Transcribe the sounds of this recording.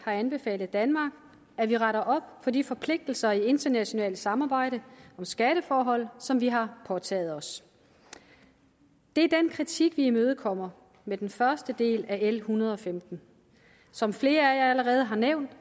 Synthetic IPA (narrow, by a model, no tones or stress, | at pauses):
hɑ̈ænb̥e̝fɛ̰ːlð̩ˠd̥ænmɑ̈ːɡ̥ | æʋiʁɑ̈ɾɐʔɒ̽b̥fɒ̽difɒ̽pʰle̝ɡ̥̚d̥l̩sɐie̝nd̥ɐnæɕo̝nɛ̰ːlsɑ̈mɑ̈ːb̥ɑ̈ɪ̰ɾ̥əɒ̽msɡ̥æɾ̥əfɒːɦɒ̽l̰sɒ̽mʋiɦɑ̈pʰɒ̽t͡sʰɛ̰ːð̩ˠɒ̽s | d̥e̝æɐd̥enkʰʁit͡sʰiɡ̥ʋiimøːð̞̩ˠkʰɒ̽m̰ɐ | med̥enfɶɐsd̥əd̥e̝̰ːlæelhunɐð̞̩ˠɒ̽femd̥n̩ | sɒ̽mfle̝ːɐæjɑ̈ɪæləʁɛːð̞̩ˠəɦɑ̈neʊ̰nd̥